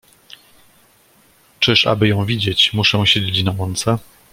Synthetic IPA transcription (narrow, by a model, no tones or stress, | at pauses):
t͡ʂɘʂa̰bɘjɔ̃w̃vʲid͡ʑet͡ɕmuʂɛ̃ɕed͡ʑet͡ɕnawɔnt̪sɛ